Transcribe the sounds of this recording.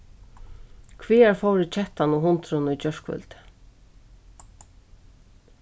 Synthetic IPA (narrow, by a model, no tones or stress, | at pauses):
kʰviːæɾfɔwɾɪt͡ʃʰɛht̪anuɦʊnt̪ɾʊnʊjt͡ɕœʂkvʏ̰lt̪ɪ̥